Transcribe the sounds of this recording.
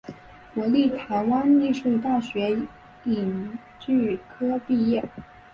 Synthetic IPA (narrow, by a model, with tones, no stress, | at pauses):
kwɔ˧˥li˥˩t̪ʰa˧˥ɪwa˥nli˥˧ʂu˥˧t̪a˥˩ɕɥɛ˧˥ | i˨˩n | t͡ɕy˥˩kʰɤ˥pi˥˧jɛ˥˩